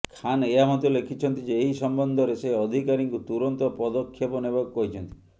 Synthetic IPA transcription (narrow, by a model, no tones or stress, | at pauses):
kʰaneamɔt̪olekʰit͡ʃʰɔnt̪id͡ʒeːjsɔmbɔnd̪ʱɔɾeseɔd̪ʱikaɾiŋkut̪uɾɔnt̪ɔpɔd̪ɔkʰːjɔpɔnebɔkkɔɦit͡ʃʰɔnt̪i̥